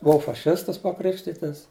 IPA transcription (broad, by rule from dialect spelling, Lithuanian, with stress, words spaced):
bʊˈɐʊ fɐˈʃʲɪstɐs pɐˈkrʲɪkʃʲtʲɪtɐs